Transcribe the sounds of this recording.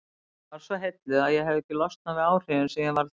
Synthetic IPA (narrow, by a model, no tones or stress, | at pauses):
vaɾ̥svɔɦejt̪lɪðaðjɛɦɛvɛhcɪlɔst̪̚navɪaːwr̥ɪɪnsɛmjɛvaɾ